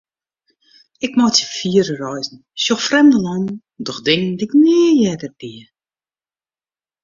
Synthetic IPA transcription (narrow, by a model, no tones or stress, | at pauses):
ɪkmɔtjəfiəɾərɔjzn̩ | sjɔxfrɛmdəlɔnn̩ | dɔxdɪŋəndɪkneːjɛdərbiə